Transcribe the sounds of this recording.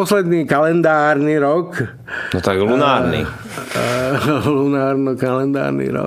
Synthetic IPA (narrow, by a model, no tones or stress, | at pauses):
ɔslɛd̪niːkalɛnd̪aːɾniɾɔk | nɔt̪aɡlunaːɾnḭ | lunaːɾnɔkalɛnd̪a̰ːɾnḭɾɔ̰